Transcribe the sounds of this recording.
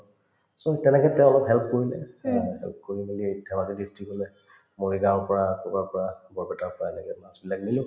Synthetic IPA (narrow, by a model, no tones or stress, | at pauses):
sɔtɛnɛkɛtɛ̃ʊ̃ɔlɔkɦɛlp̚koɹinɛ̰ɦɛ̰lp̚koɹibilidʰʱɛbazidistɹikɔlɛ | moɹiɡapɔɹakɔkaɹpɔɹabɔɹbɛtapɔɹaɛnɛkɛmasbilaknilʊ̃